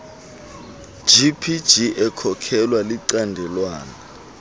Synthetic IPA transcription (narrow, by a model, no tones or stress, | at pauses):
d͡ʒ̥ʱipʰid̥d͡ʒ̥ʱiʔɛkʰɔkʰɛlwaliǀandʱɛlwaːna